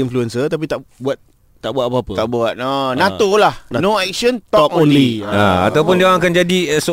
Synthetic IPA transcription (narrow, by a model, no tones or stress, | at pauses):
influɛnsət̪ap̬it̪aʔbuat̪̚ | t̪aʔbuat̪̚pəapət̪a̰ʔbuat̪̚ɔnãt̪olahnoɛk̚sənt̪ɔɔkɔ̃nliaa̰t̪awpʊndiãŋakand͡ʒadiso